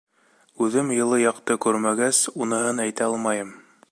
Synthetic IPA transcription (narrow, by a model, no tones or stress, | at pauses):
ʉðɘmjɤ̆lˠɤjɑqt̪ɤkʉɾmæɡæsunɤ̆hɤnæjt̪æɑlˠmɑjɤm